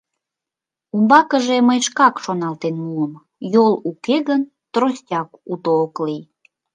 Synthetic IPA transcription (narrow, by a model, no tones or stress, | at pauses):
umbɑkəʒeməjʃkɑkʃonɑlt̪enmuəm | jolukeɣən | t̪rosʲtʲɑkut̪oːklij